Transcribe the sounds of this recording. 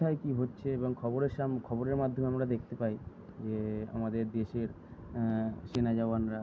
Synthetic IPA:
aekiɦotːɕʰeeboŋkʰɔboɾeɾʃamkʰɔboɾeɾmad̪ʱomeamɾad̪ekʰt̪epaj | d͡ʑea̰mad̪eɾd̪eʃeɾ | ʃenad͡ʑaoanɾa

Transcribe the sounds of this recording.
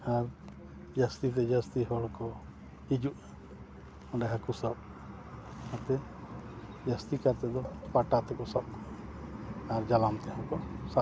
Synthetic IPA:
aɾ | d͡ʒəst̪it̪̬ɛd͡ʒəst̪iɦɔlkɔ | id͡ʒuʔ | ɔ̃ɖɛɦakusəb | at̪ɛ | d͡ʒəst̪ikaɾt̪ɛd̪ɔpaʈat̪ɛkɔsəb | aɾd͡ʒalamt̪ɛhɔ̃kɔsa

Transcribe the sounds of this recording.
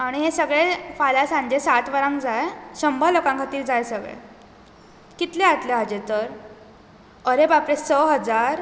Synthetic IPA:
aɽ̃iɦesəɡɭefalasãɲd͡ʑesat̪ʰʋəɾãŋkd͡zajɕəmbʱəlokãŋkʰat̪iːɾd͡zajsəɡɭḛ | kit̪leat̪leɦad͡ʑet̪əɾ | əɾebapɾesəɦəd͡zaɾ

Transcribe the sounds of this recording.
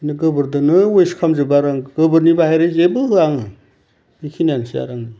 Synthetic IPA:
nɯɡɯbɯɾdɯnɯwojskʰamzɯbaɾaŋɡɯbɯɾnibahajɾɯzebɯɦɯaŋɯ | bikʰinjansija̰ɾaŋɯ

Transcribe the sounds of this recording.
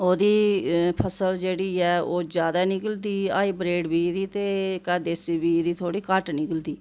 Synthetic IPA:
oːd̪iːpʰəsəld͡ʒeːɽiːɛːoːd͡ʒjaːd̪aːnɪkəld̪iːaːiːbɾeːɖbiːd̪iːt̪eːkɛːd̪eːsibiːd̪iːt̪ʰoːɽiːkaʈnɪkəld̪iː

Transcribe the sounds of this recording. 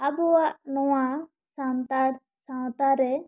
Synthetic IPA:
abɔwaʔnɔwa | sawt̪a | sãw̃t̪aɾɛ

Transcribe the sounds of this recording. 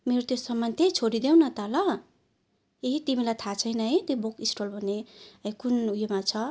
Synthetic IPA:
meɾot̪josʌmːʌnt̪ʰet͡sʰoɾid̪ewnʌt̪alʌ | eɦit̪imilajt̪ʰat͡sʰʌjnʌet̪jobokisʈʌlbʱʌnːeʌkunujemat͡sʰʌ

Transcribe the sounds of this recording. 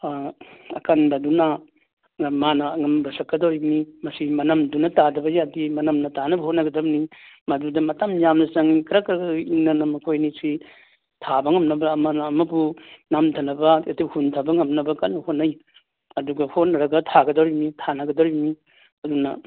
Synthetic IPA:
ɐ̰kanbɐduna | manɐːŋɐmbɐsɐkːɐdowɾimnimɐsimɐnɐmdunɐtadɐbɐjadimɐnɐmnɐtanɐbɐhotnɐɡɐdɐbnimɐdudɐmɐtamjamnɐsɐŋikɾɐkɾɐɡɐiŋnɐnɐmɐkʰojnisi | tʰabɐŋɐmnɐbɐːmɐnɐːmɐpunamtʰɐnɐbɐetip̚huntʰabɐŋɐmnɐbɐkanɐhotnːaj | ɐduɡɐhonɐɾɐɡɐtʰaɡɐdowɾimnitʰanɐɡɐdowɾibmi | ɐdunɐ̰

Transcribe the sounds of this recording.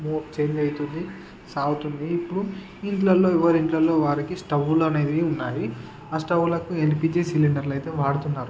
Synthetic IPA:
moːt͡ʃe̞ːɲd͡ʒɐjt̪und̪i | saːwut̪und̪iːpːuɽu | iɳʈlɐlːo̞ːiʋɐɾiɳʈlɐlːo̞ːʋaːɾikisʈɐʋuluɐne̞ːd̪iunːaːji | aːsʈɐʋːulɐkuelpiːd͡ʒisiliɳɖɐɾlɐjt̪eːʋaːɽut̪unːaːɾu

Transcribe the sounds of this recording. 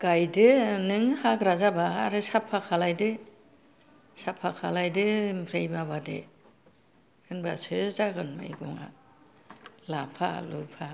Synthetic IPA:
ɡ̥ajdɯnɯŋhaɡɾazabaːɾɯsapʰakʰalajdɯ | sapʰakʰalajdɯpʰɾejbabadḛ | ɯnbasɯzaɡɯnmɯ̰jɡɔŋa̰ | lapʰa̰lupʰa

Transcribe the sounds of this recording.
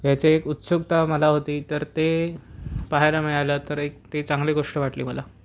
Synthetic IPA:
ʋjat͡seːkut̪soɡ̚t̪aməlaɦot̪iːt̪əɾt̪e | paɦajlameajlat̪əɾek̚t̪et͡saŋɡleɡoʂʈəʋaʈliːməla

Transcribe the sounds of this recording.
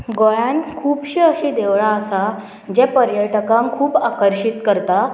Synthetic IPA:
ɡojãnkʰuːbɕiəɕiːd̪eʋɭaːsa | d͡ʑɛpəɾjəʈəkãŋkʰuːpakəɾɕit̪kəɾt̪a

